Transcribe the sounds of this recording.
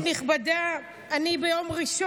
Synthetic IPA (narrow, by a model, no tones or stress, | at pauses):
niχbada | anibejomʁiʃo